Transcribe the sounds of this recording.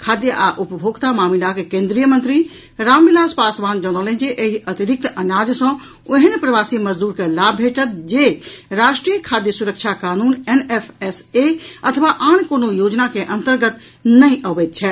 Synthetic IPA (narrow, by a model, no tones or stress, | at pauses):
kʰaːd̪jəʔaʔʊpəbʱoɡt̪amaːmilakekẽːnd̪ɾijəmə̃nt̪ɾi | ɾaːmbilaːspaːsʋaːnd͡ʒɔnɔːlẽnd͡ʒeʔeɦiʔət̪iɾik̚t̪ənaːd͡ʒsə̃ | oɦənpɾəʋaːsiməd͡ʒd̪uːɾkelaːbʱeʈət̪̚d͡ʒeɾaːʃʈɾijəkʰaːd̪jəsuɾəkt͡ʃʰakaːnuːnenefʰeseət̪ʰəʋaʔaːñkoːnojoːd͡ʒnakeʔə̃nt̪əɾɡət̪ | nəĩʔəʋɛt̪̚t͡ʃʰɛ